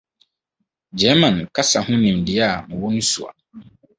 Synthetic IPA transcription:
d͡ʒɛ˨˦mã˨nka˦sa˨hʊ̃˦nĩ˨mdɪ˨a˦˨mʊ̃˨wɔ˦nũ˦sṵ˨a̰˨

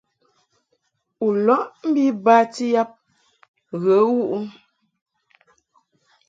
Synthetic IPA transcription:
u˨lɔ˦ʔm̩˦bi˦ba˦ti˦ja˦p̚ | ɣə˨˦wu˦ʔu˦

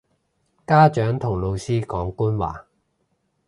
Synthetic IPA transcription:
kaː˥t͡ʃœː˨˥ŋt̪ʰʊ˨˩ŋlo˨˧wsiː˥kɔː˨˥ŋkuː˥nwa̰ː˨

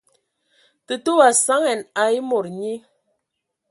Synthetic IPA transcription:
tə˨to˦wa˨sa˦ŋɛ˨na˨i˦mo˨ɾɲi˦

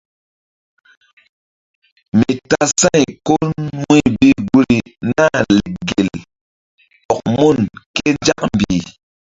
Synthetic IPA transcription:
mi˨ta˦sa˦jko˦lmi˦˨i˦ɡu˦ɾi˨na˦˨le˨ɡe˨l | ɔ˨k̚mo˦˨nke˦nd͡ʒa˦k̚m˨bi˨

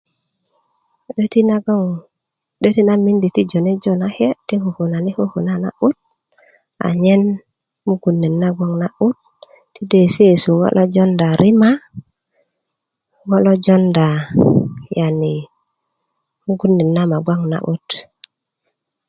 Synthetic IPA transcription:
ti˦na˦ɡŋ | ɗe˦ti˦na˦mi˦ndi˨ti˦d͡ʒo˨ne˦d͡ʒo˦na˦he˦ti˦hu˨hu˨na˨ni˦hu˦hu˨na˦na̰˦ʔu˦t̚ | a̰˨ɲe˦n | mu˦ɡu˨nːi˨nːa˦ɡʷa˦ŋna˦ʔu˦t̚ː | i˦de˨se˦˨su˨ŋo̰˦lʔo˦d͡ʒo˦nda˨ɾʔi˦ma˦ | ŋo˦lo˦d͡ʒo˦nda˨ | ja˨ni˨ | mu˦ɡu˦nːi˨nːa˦ma˨ɡʷa˦ŋna̰˨ʔṵ˦t

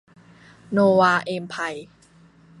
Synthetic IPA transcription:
noː˧waː˧ʔeː˧mpʰa˧j

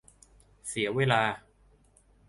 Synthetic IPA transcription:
si˩˦ɐweː˧laː˧

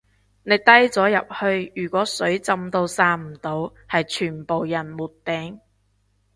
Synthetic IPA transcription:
ne˨˧jt̪ɐ˥jt͡sɔː˨˥jɐ˨p̚hɵ˧ɥjyː˨˩kʷɔː˨˥sɵ˨˥ɥt͡sɐ˧mt̪o˧wsaː˧m̩˨˩t̪o˨˧w | hɐ˨jt͡ʃʰyː˨˩npo˨wjɐ˨˩nmuː˨˩t̚t̪ɛː˨˥ŋ

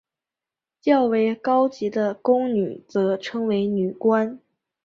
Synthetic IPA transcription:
t͡ɕjɑ˥˩ʊwe˧˥ɪkɑ˥ʊt͡ɕi˧˥d̪ə˧kʊ˥ŋny˨˩˦t͡sɤ˧˥ʈ͡ʂʰɤ˥ŋwe˧˥ɪny˨˩kwa˥n

